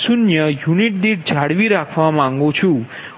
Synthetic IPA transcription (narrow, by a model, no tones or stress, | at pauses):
sunjəjuniʈ̚d̪iʈ̚d͡ʒʱaɽʋiɾakʰʋamãŋɡõt͡ʃʰũ